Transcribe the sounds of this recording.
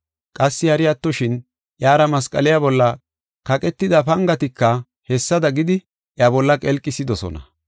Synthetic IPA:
kʼɐsːɪhɐɾɪjat̪ːɔʃɪn | ʔjaːɾɐmɐskʼɐlɛjabɔlːɐ | kɐkʼɛt̪ːɪd̪ɐpɐŋɡɐt̪ɪkːɐ | hɛsːɐd̪ɐɡɪd̪ɪ | ʔjabɔlːɐkʼɛlkʼːɪsɪd̪ɔsɔ̰nɐ̰

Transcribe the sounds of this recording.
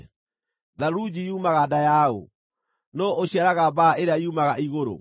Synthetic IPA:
ðaɾud͡ʑiumaɣadajao̰ | nɔʔoɕiaɾaɣabaeɾeaiumaɣaiɣoɾo̰

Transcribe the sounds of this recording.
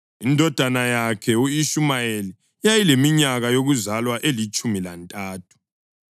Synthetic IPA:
indʱɔd̥ʱanajakʰɛuiʃumajeli | jajilemiɲaɣajoɣuzalwaʔelit͡ʃʼumila̰ntʼaːtʰu̥

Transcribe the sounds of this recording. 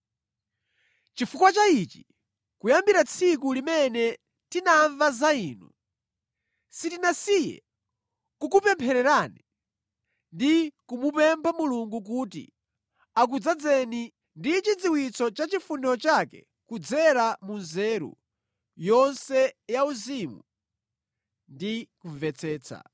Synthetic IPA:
t͡ʃifukwat͡ʃait͡ʃi̥ | kujambiɾat͡sʰikulimɛnɛ | tinaɱvazaiːnṵ | sitinasijɛ̰ | kukupɛmpʰɛɾɛɾani | ndikumupɛmpʰamuluŋɡuk̬uːtḭ | ak̬ud͡zad͡zɛni | ndit͡ʃid͡ziwit͡sɔt͡ʃat͡ʃifunɛɔt͡ʃakɛ̰ | kud͡zɛɾamunzɛɾṵ | jɔnsɛjauzimu | ndikuɱvɛt͡sʰɛːt͡sʰa̰

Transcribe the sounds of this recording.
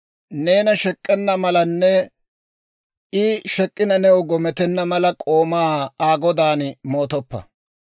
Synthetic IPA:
ne̞ːnɐʃɛkʼːɛnːɐmɐlɐnːɛ | ɪʃɛkʼːɪnɐnɛwɡɔmɛt̪ɛnːɐmɐlɐkʼo̞ːmaːaːɡɔd̪aːnmoːt̪ɔpːɐ̰

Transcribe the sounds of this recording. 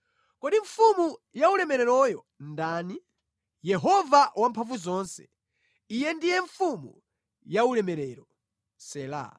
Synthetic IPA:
kɔɗiɱfumujaulɛmɛɾɛɾɔjɔ | ndaːni | jɛɦɔvawampʰaɱvuzɔːnsɛ̥̰ | ijɛndijɛɱfumṵ | jaulɛmɛɾɛɾɔ | sɛːla̰

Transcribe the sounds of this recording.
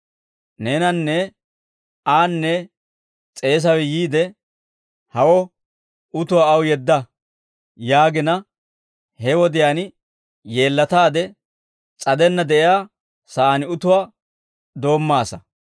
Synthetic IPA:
neːnɐnːɛ | aːnːɛ | t͡sʼe̞ːs̬ɐwɛjiːd̪ɛ | hɐwɔ | ʊt̪ʊwaɐwjɛd̪ːɐ | jaːɡɪnɐ | hɛwɔd̪ɪjaːn | je̞ːlːɐt̪aːd̪ɛ | t͡sʼɐd̪ɛnːɐd̪ɛʔɪjaː | sɐʔːnɪʊt̪ʊwaː | d̪o̞ːmːaːsɐ

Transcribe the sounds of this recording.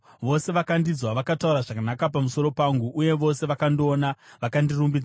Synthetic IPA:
ʋo̞se̞ʋakandid͡zwaʋakatauɾaʐakanakap̬amuso̞ɾo̞paŋɡuʔːje̞ʋo̞se̞ʋakandioːnaʋakandirumbid͡z

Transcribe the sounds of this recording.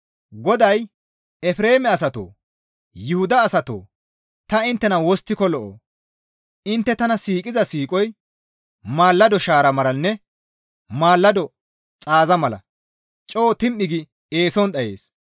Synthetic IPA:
ɡɔd̪ɐj | ɛfɾe̞ːmɛɐsɐt̪o̰ː | jɪhʊd̪ɐːsɐt̪o̰ː | t̪ɐɪnt̪ːɛnɐwɔst̪ːɪkɔlɔʔo̰ː | ɪnt̪ːɛt̪ɐnɐsiːkʼɪzɐsiːkʼɔj | maːlːɐd̪ɔʃaːɾɐmɐlɐnːɛ | maːlːɐd̪ɔ | t͡sʼaːzɐmɐlɐ̰ | t͡ʃʼoːt̪ɪmʔɪɡɪ | eːsɔnɗ̪ɐjḛːs

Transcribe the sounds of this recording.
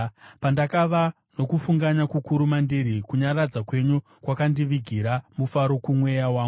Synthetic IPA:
pandakaʋa | no̞kufuŋɡaɲakukuɾumandiɾikuɲarad͡zakwe̞ɲu | kwakandiʋiɡʱiɾamufaɾo̞kumwe̞jawaːŋɡu

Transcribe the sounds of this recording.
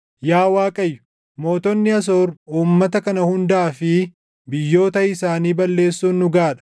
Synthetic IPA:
jaːwaːkʼɐjːʊ̥ | mo̞ːt̪ɔnːɪɐs̬oːɾuːmːɐt̪ɐkɐnɐhʊnd̪aːfɪ | bɪjːo̞ːt̪ɐɪsaːniːbɐlːe̞ːsːuːnːʊɡaːᶑɐ̥

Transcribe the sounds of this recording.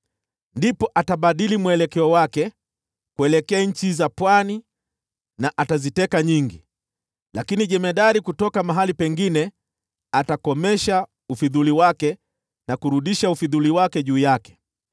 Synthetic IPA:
ndipɔʔataɓaɗilimwɛlɛkɛɔwakɛ | kuɛlɛkɛaɲ̩t͡ʃizapwani | naʔatazitɛkaɲiŋɡi | lakiniʄɛmɛɗaɾikutɔkamaɦalipɛŋɡinɛ | atakɔmɛʃa | ufiðuliwakɛ | nakuɾuɗiʃaufiðuliwakɛʄuːjakɛ̥

